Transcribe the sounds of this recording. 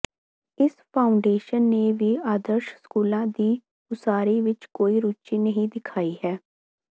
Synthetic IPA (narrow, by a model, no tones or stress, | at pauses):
ɪspʰaːʊɳɖeːʃənːeːʋiːaːd̪əɾʃskuːlãːd̪iː | ʊsaːɾiːʋɪt͡ʃkoːiːɾuːt͡ʃiːnəɦĩːd̪ɪkʰaːiːɦɛː